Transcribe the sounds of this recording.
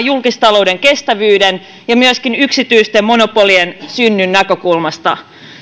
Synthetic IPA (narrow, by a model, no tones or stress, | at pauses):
julkist̪ɑlo̞wdeŋkest̪æʋyːden | jɑmyøskinyksit̪yist̪emmo̞nopoliensynːynːækøkulmɑst̪ɑ̰